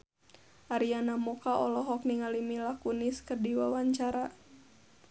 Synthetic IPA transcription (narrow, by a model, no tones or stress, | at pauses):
ʔaɾianamɔkaʔɔlɔɦɔk̚niŋalimilakuniskərdiwawaɲt͡ʃaɾa